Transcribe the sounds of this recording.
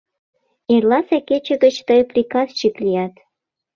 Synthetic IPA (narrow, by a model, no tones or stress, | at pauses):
erlɑseket͡ɕə̆ɡə̆t͡ɕt̪əjprʲikɑzt͡ɕiklijɑt̪